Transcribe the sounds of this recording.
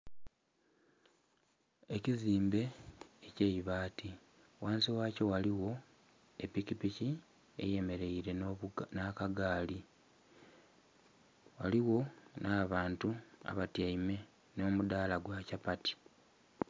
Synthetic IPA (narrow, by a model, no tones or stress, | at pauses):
e̞ciziːmbe̞ːceiβaːti | waːnsiwaːco̞waliwo̞ | epːikipici | ḛje̞me̞ɾe̞iɾe̞nakaɡaːli | waliwo̞naβaːntua̰βatjaime̞ | no̞ːmud̪aːlaɡwacapati̥